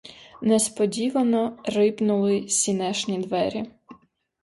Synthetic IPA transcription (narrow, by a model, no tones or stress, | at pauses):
nɛspɔdʲiʋɐnɔrɪpnʊlˠɪsʲinɛʃnʲid̪ʋɛɾʲi